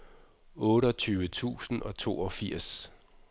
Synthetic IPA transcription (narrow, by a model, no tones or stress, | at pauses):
ɔ̽ːɾəɒt͡sʰyːʋət͡sʰṵːsn̩ɒ̽t͡sʰo̝̰ːɒ̽fiɐ̰s